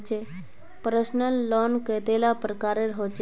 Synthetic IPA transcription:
t͡ɕe | pɾəsnəlːɔnkət̪elapɾəkaɾeɾɦot͡ʃ

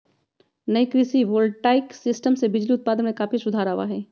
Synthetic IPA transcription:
nɐikɾɪsiʋoːlɖʈaːɪksɪsʈəmsebɪd͡ʒliʊt̪̚paːd̪ənmẽkaːpʰisʊd̪ʱaːɾaːʋa̰ɦɛː

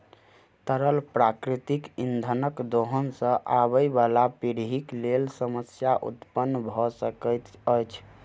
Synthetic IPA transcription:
t̪əɾəlpɾakɾit̪ikind̪ʱənəkd̪oɦənsə̃ʔabəjbalapiɽɦiklelsəməsjaʔṵt̪pənːbʱɔsəkəjt̪əjt͡ʃʰ

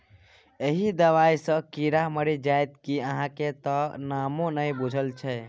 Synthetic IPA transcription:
eɦid̪əʋajsə̃kiɾaməɾid͡ʒajt̪kiəɦãket̪ənamõnəjbud͡ʒʱəlt͡ʃʰɛ

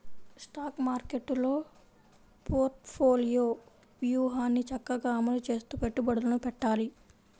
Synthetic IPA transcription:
sʈaːkmaːɾkeʈloː | poːɾʈpʰoːlijoː | ʋjuːɦaːnit͡ʃɐkːaɡaːmɐlut͡ʃeːst̪upeʈːubɐɽlɐnupɛʈːaːliː

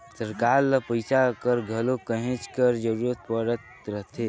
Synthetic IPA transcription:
səɾkaɾləpəjsakəɾɡʱəlokəɦẽt͡ʃkəɾd͡ʒəɾuɾət̪̚pəɾət̪ | ɾəɦt̪ʰe

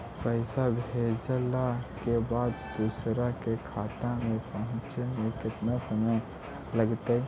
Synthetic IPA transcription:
pəɪsabʱeːd͡ʒlakebaːd̪d̪usɾakekʰaːt̪ãmẽpəɦʊ̃nt͡ʃemẽkɪt̪nasəməj | ləɡt̪e

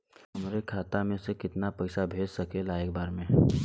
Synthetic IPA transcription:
ʊmɾekʰaːt̪amẽsekɪt̪napəɪsabʱeːd͡ʒsəkelaeːk̚baːɾmẽ

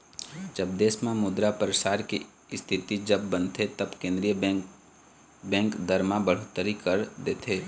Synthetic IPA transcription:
d͡ʒəb̚d̪eːsmãmʊd̪ɾapəɾəʃaːɾki | st̪ʰɪt̪id͡ʒəbːə̃nt̪ʰet̪ɐbkẽːnd̪ɾijə | bɛ̃ːŋkd̪əɾmãbəɽ̤ot̪əɾikəɾd̪eːt̪ʰeː

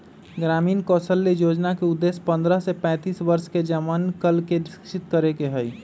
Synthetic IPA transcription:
ɡɾamiːnkɔsəlːejod͡ʒnakeud̪ːespə̃nd̪ɾəsepɛ̃t̪iːsbəɾsked͡ʒəmankəlkeɾɪskʃit̪kəɾekeɦəj

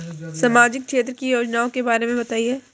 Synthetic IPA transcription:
saːmaːd͡ʒɪkkʃeːt̪ɾəkijoːd͡ʒnaːõkebaːɾemẽbɐt̪aːiɦɛː

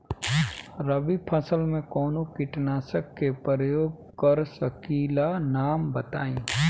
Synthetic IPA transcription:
ɾəbipʰəsəlmẽkɔːnokɪʈnaːsəkːepəɾəjoːɡ̚ | kəɾsəkiːlanaːmbət̪a̰ːĩː

